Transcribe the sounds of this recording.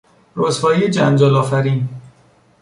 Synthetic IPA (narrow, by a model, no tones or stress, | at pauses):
ɾosbɒːied͡ʒænd͡ʒɒːlɒːfæɾiːn